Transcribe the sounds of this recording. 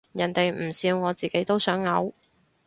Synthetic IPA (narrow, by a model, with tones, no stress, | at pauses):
jɐ˨˩nt̪e˨jm̩˨˩siː˧wŋɔː˨˧t͡siː˨ke˨˥jt̪o˥wsœː˨˥ŋːɐ˨˧˥w